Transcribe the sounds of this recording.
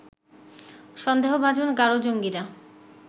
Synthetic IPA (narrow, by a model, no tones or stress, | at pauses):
ʃɔnd̪eɦobʱad͡ʑonɡaɾod͡ʑoŋɡiɾa